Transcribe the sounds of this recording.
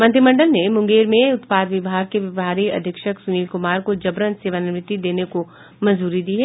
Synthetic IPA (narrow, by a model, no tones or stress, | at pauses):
mɐ̃nt̪ɾimɐ̃ɳɖəlnemʊ̃ŋɡeːɾmẽʊt̪paːd̪ʋɪbʱaːɡ̚keʋɪʋɦaːɾiɐ̰d̪ʱəkʃəksʊniːlkʊmaːɾkod͡ʒɐbɾənseːʋanɪʋɾɪt̪ːid̪eːneko | mɐ̃zuːɾid̪iːɦɛː